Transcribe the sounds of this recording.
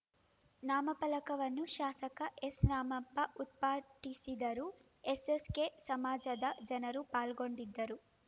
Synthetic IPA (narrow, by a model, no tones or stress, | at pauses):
naːmɐpɐlɐkɐʋɐnːuʃaːsɐkɐʔesnaːmɐpːɐʔut̪̚paːʈisid̪ɐɾu | eseskeːsɐmaːd͡ʒɐd̪ɐd͡ʒɐnɐɾupaːlɡo̞ɳɖid̪ːɐɾu